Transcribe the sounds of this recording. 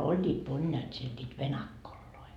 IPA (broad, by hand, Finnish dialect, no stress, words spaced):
olʲːiːt monjɑːt siel nʲiːt ʋenɑkːolːoi